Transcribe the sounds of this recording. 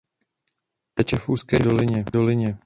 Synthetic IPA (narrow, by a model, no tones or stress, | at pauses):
t̪ɛt͡ʃɛfuːskɛːdolɪɲɛdolɪɲɛ